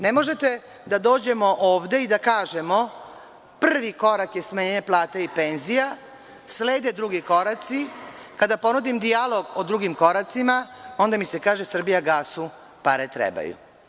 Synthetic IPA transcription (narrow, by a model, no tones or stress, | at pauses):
ne̞mo̞ʒe̞t̪e̞ | d̪ad̪o̞ːd͡ʑe̞mo̞ʔoːʋd̪e̞id̪akaːʒe̞mo̞ | pr̩ʋiko̞ɾakje̞smaɲeːɲeplˠaːt̪eipe̞nzija | sleːd̪ed̪ɾuɡiko̞ɾat̪sikad̪apo̞nud̪imd̪ialo̞ɡod̪ɾuɡimko̞ɾat̪simao̞nd̪amise̞kaːʒesr̩bijaɡaːsu | paɾet̪ɾḛba̰jṵ